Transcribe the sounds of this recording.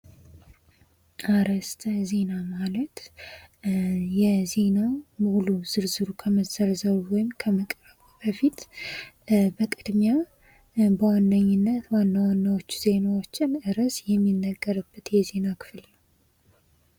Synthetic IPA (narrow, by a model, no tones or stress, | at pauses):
ʔaɾəst̪ʰʼze̞namalət̪ | jɛze̞namuluz̥ɨɾzɨɾukʰəməzəɾzəβwɔjɪmkʰəməkʼɾəβb̥əfit̪ | bəkʼɨd̪mja | bəwanːəɲːɪnːət̪wanːawanːawo̞t͡ʃːz̥e̞nawot͡ʃːɪnɨɾəsjɛmːinːəɡːəɾɨbːət̪jɛze̞nakʰɨ̥fɨlnəww